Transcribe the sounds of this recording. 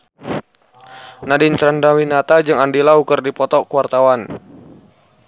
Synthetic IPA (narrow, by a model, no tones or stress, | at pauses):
nadɪnt͡ʃɾandawinat̪ad͡ʒɨŋandilaukərdipɔt̪ɔkuwart̪awan